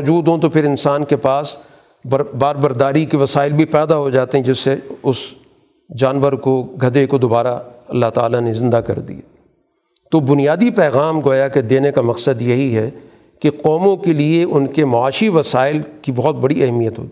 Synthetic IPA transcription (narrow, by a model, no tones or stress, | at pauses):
d͡ʒuːd̪ɦõt̪opʰɪɾɪnsaːnkepaːs | bbaːɾbɐɾd̪aːɾikiʋɐsaːɪlbʱipɛːd̪aɦod͡ʒaːt̪eɦɛ̃d͡ʒɪsːeʊs | d͡ʒaːnʋəɾkoɡʱɐd̪ekod̪oːbaːɾaɐlːaɦt̪a̰ːlanezɪ̃nd̪akɐ̰ɾd̪ḭa | t̪obʊnijaːd̪ipɛːɣaːmɡoːjaked̪eːnekamɐqsəd̪jɐɦiɦɛ | keqɔːmõkelieʊnkemɐaːʃiʋɐsaːɪlkibɔɦt̪̚bɐɽiɐɦɛmijət̪ɦo̰ːt̪i